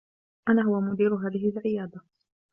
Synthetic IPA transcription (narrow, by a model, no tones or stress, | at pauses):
ʔanaːɦʊwamʊd̪iːɾʊɦaːðɪɦɪlʕɪjaːd̪a